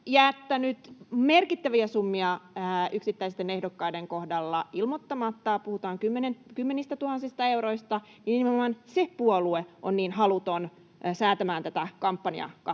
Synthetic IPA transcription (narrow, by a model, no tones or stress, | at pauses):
jɑet̪ːænyt̪merkit̪ːæʋiæsumːiɑyksit̪ːæist̪ene̞hdokːɑjdeŋkohdɑlːɑilmot̪ːɑmɑt̪ːɑpuhut̪ɑːŋkymːenenkymːe̞nist̪æt̪uhɑnsist̪ɑe̞wɾo̞ist̪ɑ | ininmemːɑnsepuolueʔonniːnɦɑlut̪on | sæːt̪æmæːnt̪æt̪ækɑmpːɑniɑ̰kɑ